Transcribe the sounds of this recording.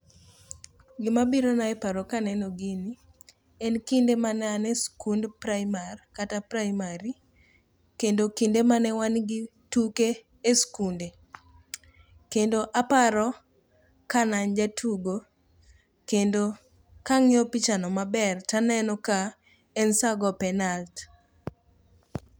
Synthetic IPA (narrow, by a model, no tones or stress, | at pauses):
ɡɪmabiɾonaɛpaɾɔkanɛnɔɡɪni | ɛnkindemanɛanɛskundpɾajmarkatapɾamaɾi | kendokindemanɛwanɡɪtukeː | skunde | kendoʔapaɾɔ | kanand͡ʒatʰuɡo | kendo | kaŋɪɔpit͡ʃanɔmabɛrtanɛnɔka | ɛnsaɡɔpɛnalt